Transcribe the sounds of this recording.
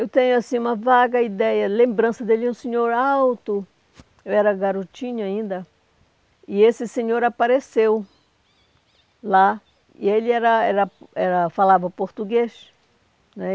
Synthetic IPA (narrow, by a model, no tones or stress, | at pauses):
ewt̪ẽɲʊasĩũmɐvaɡɐid̪ɛjɐlẽmbɾɐ̃sɐd̪elɪũsẽɲoɾawt̪ʊ | ewɛɾɐɡaɾot͡ʃĩɲʊaĩnd̪ɐ | ɪesɪsẽɲoɾapaɾesew | la | ḭelɪɛɾɐɛɾɐɛɾɐfalavɐpoɾt̪uɡeʃ | nɛ